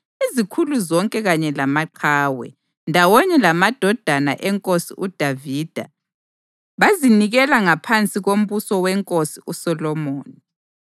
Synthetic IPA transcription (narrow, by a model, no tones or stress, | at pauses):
izikʰuluzɔŋkʼɛɣaɲɛlamaǃʰaːwɛ̰ | ndʱawɔɲɛlamad̥ʱɔd̥ʱana̰ʔɛŋkʼosiʔud̥ʱaviːd̥ʱa | βaziniɣɛlaŋapʰant͡sʼiɣom̩βusɔwɛŋkʼosiʔusɔlɔmoːni